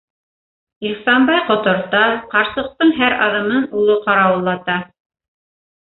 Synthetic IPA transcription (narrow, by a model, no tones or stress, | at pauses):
ilsɑmbɑjqŏt̪ŏɾt̪ɑqɑɾsɤ̆q̚t̪ɤɴɦæɾɑðɤ̆mɤnulˠoqɑɾɑwɤ̆lˠːɑt̪ɑ